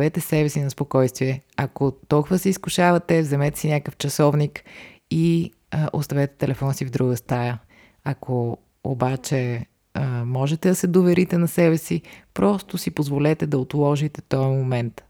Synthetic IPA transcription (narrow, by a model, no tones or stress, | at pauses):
vɛt̪ɛsɛbɛsinɐspokɔjst̪viɛɐkot̪ɔlˠkʊvəsɛiskʊʃavɐt̪ɛvzɛmɛt̪ɛ̥sinʲakəft͡ʃɐsɔvnik | i | ʔo̰st̪ɐvɛt̪ɛ̥t̪ɛlɛfɔnsivd̪ɾuɡəst̪ajə | ɐkʰo | o̰bat͡ʃɛ | mɔʒɛt̪ɛd̪ɐsɛd̪ovɛɾit̪ɛnɐsɛbɛsipɾɔst̪ʊsipozvolɛt̪ɛd̪ɐot̪lˠɔʒit̪ɛt̪ɔjmomɛnt̪